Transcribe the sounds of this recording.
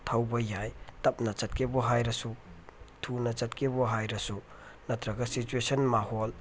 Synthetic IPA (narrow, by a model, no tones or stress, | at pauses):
tʰɐwbɐjajtɐp̚nɐt͡ʃɐt̚kʰebɔɦajɾɐsu | tʰunɐt͡ʃɐtkʰebɔɦajɾɐsu | nɐtʰɾɐɡɐsit͡ʃuesɐnmahol